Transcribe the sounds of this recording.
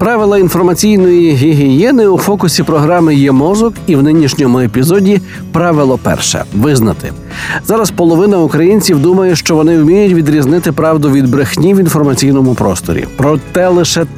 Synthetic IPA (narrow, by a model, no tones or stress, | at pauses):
pɾɑʋɪlˠɐin̪fɔrmɐt͡sʲijnɔjiɦiɦijɛnɪufɔkʊsʲipɾɔɦɾɑmɪjɛmɔzʊkiwnɪnʲiʃnʲɔmʊepʲizɔdʲi | pɾɑʋɪlˠɔpɛ̰rʃɛ̰ʋɪznɐt̪ɪ̰ | zɑɾɐspɔlˠɔʋɪnɐʊkɾɐjinʲt͡sʲiwd̪umɐjɛʃt͡ʃɔʋɔnɪwmʲijʊtʲʋʲid̪ɾʲiznɪt̪ɪpɾɑwd̪ʊʋʲid̪̚bɾɪxnʲiʋinfɔrmɐt͡sʲijnɔmʊpɾɔ̰st̪ɔ̰ɾʲḭpɾɔt̪ɛlˠɪʃɛ